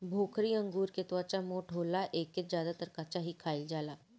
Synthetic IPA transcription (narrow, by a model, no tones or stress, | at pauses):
bʱoːkʰɾiɐ̃ŋɡuːɾket̪wat͡ʃamoːʈʰɦoːlaʔeːkːet̪d͡ʒjaːd̪at̪əɾkat͡ʃaɦikʰaːɪld͡ʒaːlaː